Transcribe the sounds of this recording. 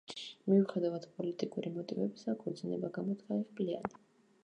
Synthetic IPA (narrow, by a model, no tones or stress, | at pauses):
miuχɛd̪avad̪̥pʼɔlit̪ʼikʼuɾimɔt̪ʼivɛbisakʰud̪zinɛbaɡamɔt̪ʰkʰaɛχblia̰ni